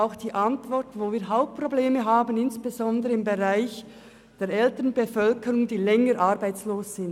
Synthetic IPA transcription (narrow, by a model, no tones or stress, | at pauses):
aʊxd̥iːʔɑntv̥ɔʁtvoːviːɐɦaʊp̚t̚pʁ̥obleːməɦaːbənɪnsb̥ezɔndəʁəɪmbeʁaɪç | d̥eːɾɛltənbefœlkəɾʊŋdiːlɛŋəɾʔɑʁbaɪt͡sloːsz̥ɪn